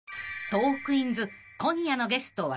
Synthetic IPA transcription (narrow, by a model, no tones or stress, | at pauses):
t̪o̞ːkɯ̟ĩnd͡zɨ | kõ̞ɰjano̞ɡe̞sɨ̥t̪oβa̰